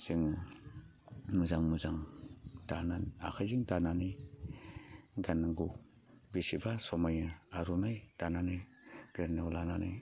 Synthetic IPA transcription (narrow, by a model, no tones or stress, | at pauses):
z̥iŋ | muzaŋmuzaŋd̥anana̰kʰajziŋdananɯj | ɡanaŋɡubisibasɔmajaaɾunajd̥ananɯj | ɡ̥eɾnawlananɯj